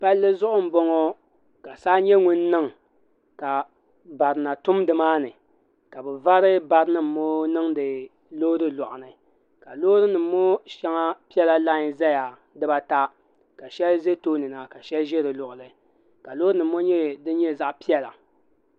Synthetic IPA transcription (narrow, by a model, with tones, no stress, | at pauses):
pa˦lːɨ˦zʊ˦ʔʊ˦m̩˨bɔ˦ŋɔ˦ | ka˨saː˦ɲɛ˦ŋu˦nː˦ɨ˦ŋ | ka˨ | ba˨ɾɨ˨na˨tʊ˦mdɨ˨maː˦nɨ˨ | ka˨bɨ˨va˦ɾɨ˦ba˨ɾɨ˦nɨ˦m̩ː˨o˦nɨ˦ŋdɨ˨ | lo˦ɾɨ˦lɔ˨ʔʊ˨nɨ˨ | ka˨loː˦ɾɨ˦nɨ˨mː˦o˦ʃɛ˦ŋa˦pi˦ɛ˦la˦la˦˨˦za˦ja˨ | dɨ˦ba˦ta˦ | ka˨ʃɛ˦lze˦toː˦nɨ˨na˨ka˨ʃɛ˦lʒɛ˦ɾɨ˨lʊ˨ʔʊ˨lɨ˨ | ka˨lo˦ɨ˦nɨ˨mː˦o˦ɲɛ˦dɨ˦ɲɛ˦za˦ʔpi˦ɛ˦la̰˨